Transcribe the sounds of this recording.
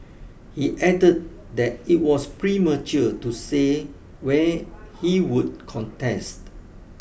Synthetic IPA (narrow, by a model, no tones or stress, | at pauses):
hiʔɛdəd̚ | dɛt̚it̚wɔspɹimət͡ʃətuse | wɛhiwud̚kʰɔ̃ntɛst